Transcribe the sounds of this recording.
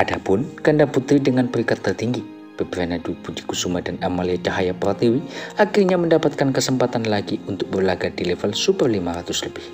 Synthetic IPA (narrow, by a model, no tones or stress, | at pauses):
ʔadapʊnkəndaput̪ɾidəŋanpəɾikat̪ːərt̪iŋɡi | b̥əbəɾanadupud͡ʒikusumadanamaliat͡ʃaɦajapɾat̪iwiakirɲaməndapat̪̚kankəsəmpat̪anlaɡiunt̪ʊk̚bərlaɡadilɛfəlsupərlimaɾat̪ʊsləbɪh